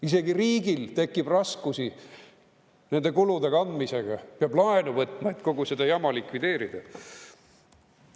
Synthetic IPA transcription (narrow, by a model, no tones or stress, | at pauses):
ise̞ɡ̥iriːɡilt̪e̞kːˑib̥rɑskusi | ne̞nd̪̥e̞kulud̪e̞ɡɑɑnd̪mise̞ɡ̥ɑpeɑblɑe̞nuvɤt̪mɑe̞t̪ko̞ɡ̥used̪̥ɑjɑmɑlikvid̪e̞ːɾid̪̥ɑ